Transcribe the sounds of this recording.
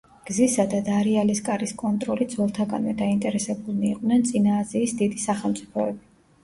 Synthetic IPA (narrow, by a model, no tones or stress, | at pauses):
ɡ̥zisad̪ad̪aɾialiskʼaɾiskʼɔnt̪ʼɾɔlid̪zvɛlˠt̪ʰaɡa̰nvɛd̪aint̪ʼɛɾɛsɛbulˠniːq̪ʼnɛnt̪sʼinaːziːsd̪id̪isaχɛlˠmt̪sʼipʰɔɛbi